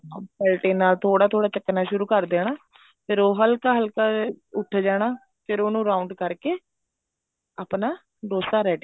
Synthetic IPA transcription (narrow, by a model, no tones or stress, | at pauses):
pɛːlʈeːnːaːlt̪ʰoːɽaːt̪ʰoːɽaːt͡ʃəkːnaːʃʊɾuːkəɾd̪eːɽ̃aː | pʰɪɾoːɦəlkaːɦəlkaːʊʈʰːd͡ʒaːɽaː | pʰɪɾoːnũːɾaːʊɳɖkəɾkeː | aːpnaː | ɖoːsaːɾɛːʈ